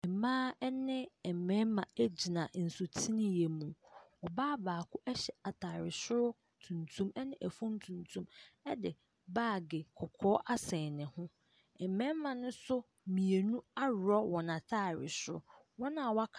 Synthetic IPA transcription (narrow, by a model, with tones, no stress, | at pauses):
ɛ˨mãː˦ɛ˦nɪ̃˦ɛ˨m˨mɛ̃˦mã˨æ˦d͡ʑi˨nã˨n̩˨sʊ˨tʰi˦nɪ̃˨je˨mũ˨ɔ˨baː˦baː˨kʰʊ˦ʔɛ˦ɕɛ˨a˨tʰa˨ɾɪ˨sʊ˦ɾʊ˦ | tʰũ˨ntʰũ˦mɛ˦nɪ̃˦ʔæ˨fũ˦m˦tʰũ˨ntʰũ˦mɛ˦dɪ˨ | baː˦˨ɡɪ˨kʰɔ˨kʰɔː˦ʔa˦sɛ̃˨nɪ̃˨hʊ̃˦ | ɛ˨mɛ̃˦mːã˨nʊ̃˦sʊ˦ | mĩ˨e˨nũ˦a˦ɾɔ˦wɔ˨nã˨tʰa˦˨ɾɪ̰˨sʊ˦ɾʊ̰˦ | wɔ˦nã˨wa˦kʰ